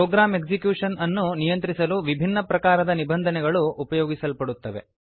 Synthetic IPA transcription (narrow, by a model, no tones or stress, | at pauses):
pɔːɡɾaːmeɡd͡ʒikjuːʂɐnɐnːunijɐnt̪ɾisɐluʋibʱinːɐpɾɐkaːɾɐd̪ɐnibɐnd̪ʱɐnɛɡɐɭuʔːpɐjɔːɡisɐlpɐɽut̪ːɐʋe̞̰